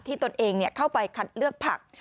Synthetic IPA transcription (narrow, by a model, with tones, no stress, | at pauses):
t̪ʰiː˥˩t̪o˧nʔeː˧ŋni˥˩kʰa˥˩wpa˧jkʰa˦˩t̪̚lɯ˥˩ək̚pʰa̰˨˩k̚